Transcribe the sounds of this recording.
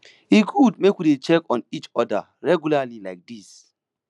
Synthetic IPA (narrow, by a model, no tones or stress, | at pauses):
iɡudmekwidet͡ʃɛkɔ̃nit͡ʃɔda̰ | ɹɛɡjulalilaɪk̚dis